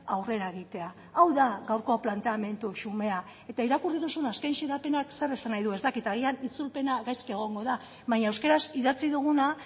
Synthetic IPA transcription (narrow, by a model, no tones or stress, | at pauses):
awre̞ɾae̞ɣ̞it̪e̞a | awðaɣawɾko̞plant̪e̞ame̞nt̪uʃume̞a | e̞t̪aiɾakuriðusunaskajnʃeɾape̞nakse̞resanajðue̞zt̪akit̪aɣ̞ianit͡sulpe̞naɣajske̞ɣ̞o̞ŋɡo̞ða | βaɲaewske̞ɾasiðat͡siðuɣ̞una